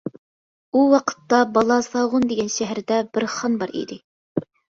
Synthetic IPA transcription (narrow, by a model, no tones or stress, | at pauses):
uwɑqʰə̥t̪ːɑbɑlˠɑsɑʁʊnd̪eɡʲɛnʃæɦæɾd̪ɛbɪɾχɑnbɑɾḭd̪ɪ